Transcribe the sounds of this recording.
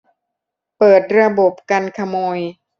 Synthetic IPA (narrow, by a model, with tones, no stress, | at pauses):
pɤː˨˩t̪̚ɾa˧bo˨˩p̚ka˧nkʰa˧moː˧j